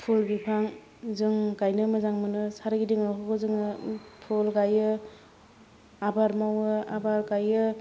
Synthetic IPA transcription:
pʰulbipʰaŋ | zɯŋɡajnɯmɯzaŋmɯnɯsaɾɯɡidiŋɦɔɡɯzɯŋɯpʰɔlɡajɯ | abaɾmawɯabaɾɡajɯ

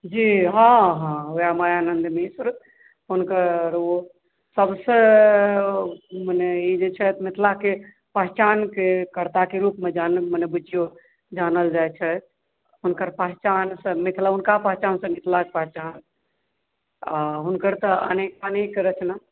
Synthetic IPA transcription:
d͡ʒiɦãɦãojamajaːnənd̪misɾ | ɦunkəɾo | səbsə̃ | məneid͡ʒet͡ʃʰɛt̪mit̪ʰlake | pəɦt͡ʃankekəɾt̪akeɾupmed͡ʒanmənebut͡ʃijo | d͡ʒanəld͡ʒajt͡ʃʰɛ | ɦunkəɾpəɦt͡ʃansə̃mit̪ʰlaɦunkapəɦt͡ʃansə̃mɪt̪ʰlakepəɦt͡ʃan | aɦunkəɾt̪əə̰nekənekɾət͡ʃʰna

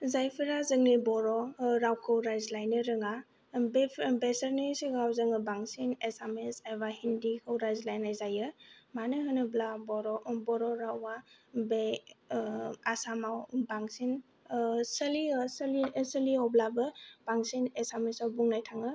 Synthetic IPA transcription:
zajpʰiɾazɯŋnibɔɾɔɾawkʰɯwɾajzlajnɯɾɯŋa | bebesəɾnesiɡawzɯŋɯbaŋsinesamesajβahindikʰɯwɾajzlajnːajzajɯmanɯɦɯnɯblabɔɾɔbɔɾɔɾawabe | asamawbaŋsin | sɐlisɐlisəliɔblabɯb̥aŋsinesamesawbuŋnajtʰaŋɯ

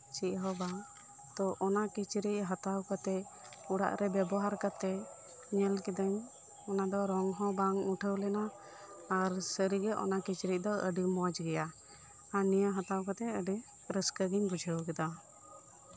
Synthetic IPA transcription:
t͡ʃiʔɦɔbaŋ | t̪ɔʔɔnakit͡ʃɾic̚ɦat̪awkat̪ɛ | uɽa̰ʔɾɛbjɛbɔɦaɾkat̪ɛ | ɲɛlkid̪əɲ | ɔnad̪ɔɾɔŋɦɔ̃baŋuʈʰəwlɛnaː | ɾsəɾiɡɛʔɔ̰nakit͡ʃɾic̚d̪ɔə̰ɖimɔd͡ʒɡɛja | anijəɦat̪awkat̪ɛəɖi | ɾəskəɡiɲbud͡ʒʱəwkɛd̪a

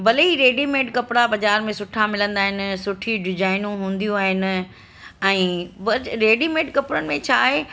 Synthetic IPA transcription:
bɐliɾeːɖimeːʈkɐpɽabɐd͡ʑaːɾmẽsʊʈʰamɪlə̃nd̪aːɦɪnɪ̆sʊʈʰiɖɪd͡ʑaːɪnũɦũːnd̪ijũaːɦɪnɪ̆ | ɛ̃ːbɐɾeːɖimeːʈkɐpɽənɪ̆mẽt͡ɕʰaːɦe

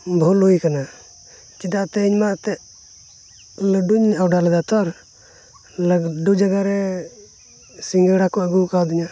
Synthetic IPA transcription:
bʱoloikəna | t͡ʃid̪at̪ɛiɲmat̪ɛ | ləɖuɲawɖaləd̪at̪ɔɾ | ləɡɖud͡ʒəɡaɾɛ | siŋɡəɽakɔəɡukawd̪iɲa

